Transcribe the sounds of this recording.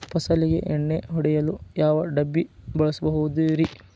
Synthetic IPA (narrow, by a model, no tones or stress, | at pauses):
pɐsɐliɡḛʔeɳːeɦɔɽɛjɐlujaːʋɐɖɐbːibɐɭɐsɐbɐɦud̪uɾi